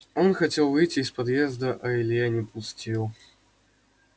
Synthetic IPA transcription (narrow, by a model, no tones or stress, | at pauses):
ɔnxɐt͡sʲɛlˠvɨjt͡sʲiːspad̪jɛzd̪əʔɐilʲijanʲɛpusʲtʲilˠ